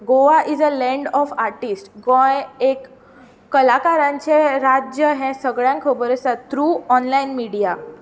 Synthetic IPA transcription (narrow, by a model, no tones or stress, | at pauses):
ɡoʋaʔizəlɛ̃ɳɖɔfaɾʈisʈɡɔ̃jekː | əlakaɾãɲt͡ɕeɾad͡ʑjəɦɛ̃səɡɭjãŋkʰəbəɾəsat̪ɾuːɔnlainmiɽija